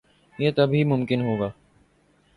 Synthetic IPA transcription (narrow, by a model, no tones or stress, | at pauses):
jeːt̪ɐbʱimʊmkɪnɦoːɡaː